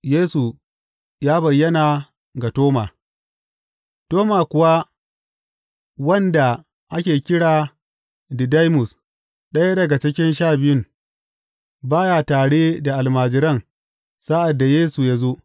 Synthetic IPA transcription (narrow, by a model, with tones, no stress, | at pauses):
jeː˦su˨ | jaː˦bɐ˨jːɐ˦naː˨ | ɡa˨toː˦maː˨ | toː˦maː˨kʷʊ˨wa˦ | wɐ˦nda˨ | ʔa˦kʲeː˨kʲɪ˦ɽaː˨ | dɪ˨da˦jmʊ˨s | ɗɐ˦ja˦dɐ˨ɡa˨t͡ʃɪ˦kʲɪ˦nʃaː˦˨bɪ˦jʊ˦ŋ | baː˦jaː˨taː˨ɽeː˦da˨ʔa˨lmaː˨d͡ʒɪ˦ɾɐ˦˨ŋ | sa˦ʔa˨dːa˨jeː˦su˨ja˦zo˦